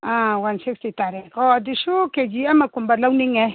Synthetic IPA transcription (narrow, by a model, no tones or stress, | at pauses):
ãwansikstit̪aɾɛkɔdiʃuked͡ʒiamakumbalawniŋɛ